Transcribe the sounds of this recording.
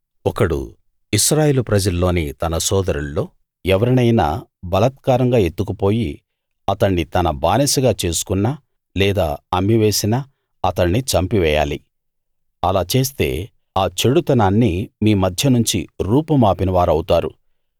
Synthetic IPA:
ɔkɐɽṵ | iʃɾaːjeːlupɾɐd͡ʒɐlːo̞ːnit̪ɐnɐsɔːd̪ɐɾunːo̞ː | ɛʋɐɾɐnɐjna̰ːbɐlɐt̪̚kaːɾɐŋɡaːe̞t̪ːukupo̞ːji | ɐt̪ɐɳːit̪ɐnɐbaːnesɐɡaːt͡ʃe̞ːsu̥kunːaː | lɛːd̪a̰ːɐmːiʋe̞ːsina | ɐt̪ɐɳːit͡ʃɐmpiʋɛːja̰ːlḭ | ɐlaːt͡ʃe̞ːs̬t̪e̞̰ː | aːt͡ʃe̞ɽut̪ɐnaːnːimiːmɐd̪ʱjɐnuɲt͡ʃiɾuːpɐmaːpinɐʋaːɾɐwt̪aːɾṵ

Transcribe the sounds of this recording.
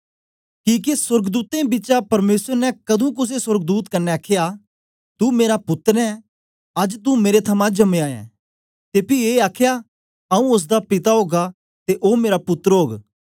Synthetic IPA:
kiːk̬esʊɾɡd̪uːt̪ẽbɪːt͡ʃapɐɾmeːswəɾnɛkɐd̪ʱũk̬ʊs̬esɐɾɡ̚d̪uːt̪kɐnːɛaːkʰeja | t̪umeːɾapʊt̪ːəɾɛ̃ | ɐd͡ʒt̪umeːɾet̪ʰɐmãd͡ʒɐmẽaːjɛ̰̃ː | t̪eːpieːaːkʰja | ɐũʊs̬d̪apɪt̪aɦoːɡa | t̪eʔoːmeːɾapʊt̪ːəɾɦoːɡ

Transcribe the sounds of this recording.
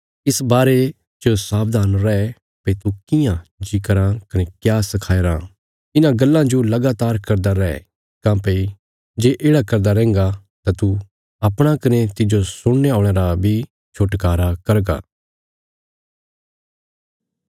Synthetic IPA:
ɪsbaːɾe | t͡ʃosaːb̚d̪ʱaːnɾɛɛ | pɐit̪ukɪjãd͡ʒikəɾãkɐnekjaːsɐkʰaːeɾa | ɪnãɡɐlːãd͡ʒolɐɡaːt̪aːɾkɐɾd̪aɾɛɛ̰ | kãːpɐi | d͡ʒeːʔeːɽakɐɾd̪aɾɛ̃ːŋ̆ɡa | t̪at̪u | ɐpɽ̃akɐnet̪ɪd͡ʒosʊɽeaːɽ̃eːɾabʱi | t͡ʃʰoʈkaːɾakɐɾɡa̰ː

